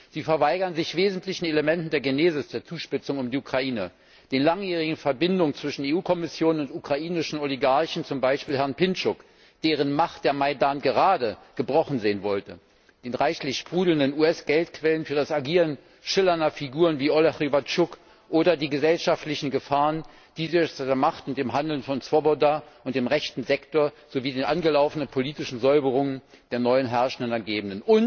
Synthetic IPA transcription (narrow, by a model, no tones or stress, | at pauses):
z̥iːfɛɐvaɪɡɐnzɪçv̥eːzn̩tlɪçn̩eləmɛntn̩deːɐɡeneːzɪsd̥eːɐt͡suːʃpɪt͡sʊŋʊmdiʔukʁ̥aʔiːnə | d̥eːnlaŋjɛːʁ̞ɪɡŋ̩fɛɐbɪndʊŋənt͡sv̥ɪʃn̩eːuːkʰɔmɪsjoːnənʊntukʁ̥aʔiːnɪʃn̩oliɡaɐçn̩t͡sʊmbaɪʃpiːlɦɛɐnpɪnt͡ʃʊk | d̥eːʁ̞ənmaχt̚d̥eːɐmaɪdaːnɡəʁ̞aːdəɡ̥əbʁɔχn̩zeːnvɔltə | d̥eːnʁaɪçlɪçʃpʁ̥uːdl̩ndənuːɛsɡ̥ɛltkv̥ɛlənfyːɐdasaɡiːʁən | ʃɪlɐnɐfiɡuːʁ̞ənviːʔoleχʁivatt͡ʃʊk | ʔoːɾɐdiːɡəzɛlʃaftlɪçn̩ɡəfaːʁən | d̥iːzɪdeːɐmaχtʊnt̚d̥eːmɦandl̩nfɔnt͡sv̥ɔbodaːʔʊntd̥eːmʁɛçtn̩zɛktoːɐ | z̥oviːdeːnʔanɡəlaʊfənənpʰoliːtɪʃn̩zɔʏbəʁ̞ʊŋən | d̥eːɐnɔʏənɦɛɐʃn̩dənɐɡeːbn̩dənʔʊnt